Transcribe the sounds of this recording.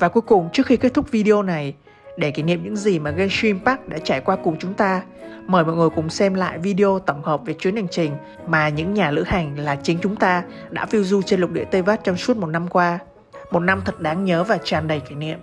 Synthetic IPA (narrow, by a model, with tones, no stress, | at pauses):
vaː˨˩ku˨˦jkʊ˨˩ŋ͡mt͡ɕɨ˦˥əkxi˧ke˦˥t̚t̪ʰʊ˦˥k̚vi˧ɗi˧o˧na˨˩j | ɗe˧˩kiː˧˩nḭ˧˨mɲɨ̰˧˥ŋzi˨˩maː˨˩ɣə˧jswi˧mpaː˦˥k̚ɗa̰ː˧˥t͡ɕaː˧˩jkwaː˧kʊ˨˩ŋ͡mt͡ɕʊ˨˦ŋ͡mt̪aː˧ | məː˧˩jmɔ̰˧˨jŋɨ˨˩ə˩jkʊ̰˨˧˩ŋ͡msɛ˧mla̰ː˧˨jvi˧ɗi˧ʔo˧t̪ə˧˩wŋ͡mhəː˨˩p̚ve˨˩t͡ɕwi˨˦ənha˨˩jŋ̟t͡ɕï˨˩ŋ̟ | maː˨˩ɲɨ̰˧˥ŋɲaː˨˩lɨ̰˧˥ha˨˩jŋ̟laː˨˩t͡ɕï˨˦ŋ̟t͡ɕʊ˨˦ŋ͡mt̪aː˧ | ɗa̰ː˧˥vi˧əwzu˧t͡ɕe˧nlʊ˨˩k͡p̚ɗḭ˧˨t̪e˧vaː˦˥t̚t͡ɕɔ˧wŋ͡msu˦˥ət̚mo˨˩t̚na˧mkwaː˧ | mo˨˩t̚na˧mt̪ʰə˨˩t̚ɗaː˨˦ŋɲəː˨˦vaː˨˩t͡ɕaː˨˩nɗə˨˩jki˧˩nḭ˧˨əmʔ